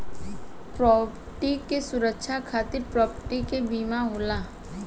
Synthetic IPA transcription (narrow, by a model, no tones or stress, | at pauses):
pɾɔːpəʈikesʊɾəkʃʰakʰaːt̪ɪɾpɾɔːpəʈikebiːmaɦoːlaː